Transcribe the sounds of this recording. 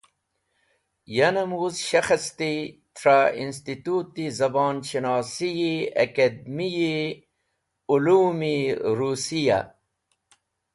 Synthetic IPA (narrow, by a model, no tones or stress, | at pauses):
jɐnɐmuːzɕɐxɐst̪it̪ɾaːins̬t̪it̪ut̪ːizɐbɑːnɕinɑːsijiɐ̰kɐd̪̚miji | uluːmiɾuːsija̰